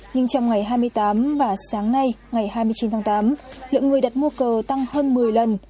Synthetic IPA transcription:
ɲɨ˧ŋt͡ɕɔ˧wŋ͡mŋa˨˩jɦaː˧jmɨ˧əjt̪aː˨˦mvaː˨˩saː˨˦ŋna˧jŋa˨˩jhaː˧jmɨ˧əjt͡ɕi˨˦nt̪ʰaː˨˦ŋt̪aː˨˦mlɨ̰˧˨ŋɨ˨˩əjɗa˨˩t̚mu˧əkəː˨˩t̪a˧ŋhəː˧nmɨ˨˩əjlə˨˩n

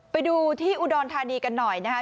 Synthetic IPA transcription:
pa˧jduː˧t̪ʰiː˥˩ʔu˧dɔː˧nt̪ʰaː˧niː˧ka˧nːɔ˨˩jna˦˥kʰa˦˥

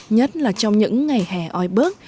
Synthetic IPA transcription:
ɲə˦˥t̚laː˨˩t͡ɕɔ˧wŋ͡mɲɨ̰˧˥ŋːa˨˩jhɛː˨˩ʔɔ˧jɓɨ˦˥ək̚

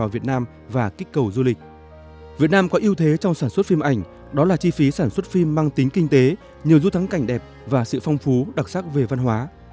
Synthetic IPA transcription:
aː˨˩wvi˨˩ət̚naː˧m | vaː˨˩ki˦˥k̟̚kːə˨˩wzu˧lï˨˩k̟̚ | vi˨˩ət̚naː˧mkɔ˨˦ʔi˧əwt̪ʰe˨˦t͡ɕɔ˧wŋ͡msaː˧˩nswə˦˥t̚fi˧mʔa˨˩jŋ̟ | ɗɔ˨˦laː˨˩t͡ɕi˧fi˨˦saː˧˩nswə˦˥t̚fi˧mːaː˧ŋt̪ï˨˦ŋ̟kï˧ŋ̟t̪e˨˦ | ɲi˨˩əwzu˧t̪ʰa˨˦ŋka˧˩jŋ̟ɗɛ˨˩p̚ | vaː˨˩sɨ̰˧˨fɔ˧wŋ͡mfu˨˦ɗa˨˩k̚sa˦˥k̚ve˨˩va˧nɦwaː˨˦

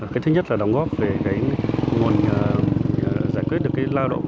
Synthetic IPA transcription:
ka˨˦t̪ʰɨ˨˧˦ɲə˦˥t̚laː˨˩ɗa˨˦wŋ͡mɣɔ˦˥p̚ve˨˩ɣa˨˦jŋu˨˩ənː˨˩ | zaː˧˩jkwi˦˥t̚ɗɨ˨˩əkːaː˨˦jlaː˧ɗo̰˧˨ŋ͡m

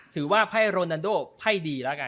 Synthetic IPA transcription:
t̪ʰɯː˩˦waː˥˩pʰa˥˩jɾoː˧naː˧ndoː˥˩pʰa˥˩jdiː˧laː˦˥˩ka˧

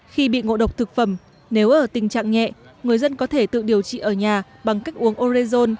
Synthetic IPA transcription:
xi˧ɓḭ˧˨ŋo̰˧˨ɗə˨˩wk͡p̚t̪ʰɨ˨˩k̚fə˧˩m | ne˨˦wʔəː˧˩t̪ï˨˩ŋ̟t͡ɕa̰ː˧˨ŋŋɛ̰˧˨ŋɨ˨˩əjzə˧nkɔ˨˦t̪ʰe˧˩t̪ɨ̰˧˨ɗi˨˩əwt͡ɕḭ˧˨ʔəː˧˩ɲaː˨˩ | ɓa˨˩ŋka˦˥jk̟̚ʔu˨˦əŋʔo˧ɾi˧zo˧n

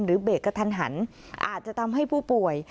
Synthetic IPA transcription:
mɾɯː˩˦beː˨˩t̚kːa˧t̪ʰa˧nɦa˩˦n | ʔa̰ː˨˩t̪̚t͡ɕa˨˩t̪ʰa˧mɦa˥˩jpʰuː˥˩pu˨˩əj

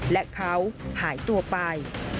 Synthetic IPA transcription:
lɛ˦˥kʰa˦˥whaː˩˦jt̪u˧ɐpa˧j

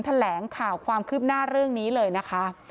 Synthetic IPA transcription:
nt̪ʰa˧lɛː˩˦ŋkʰaː˨˩wkʰwaː˧mkʰɯː˥˩p̚naː˥˩ɾɯ˥˩əŋniː˦˥lɤː˧jna˦˥kʰa˦˥

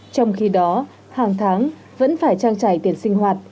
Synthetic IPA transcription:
t͡ɕɔ˧wŋ͡mxi˧ɗɔ˨˦ | haː˨˩ŋt̪ʰaː˨˦ŋ | və̰˧˥nfaː˧˩jt͡ɕaː˧ŋt͡ɕa˧˩jt̪i˧˩ənsï˧ŋ̟ɦwaː˨˩t̚

